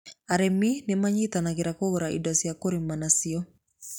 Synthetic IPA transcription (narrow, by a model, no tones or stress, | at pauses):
aɾeminemaɲitanaɣeɾakoɣoɾaʔḭdɔsiakoɾimanasiɔ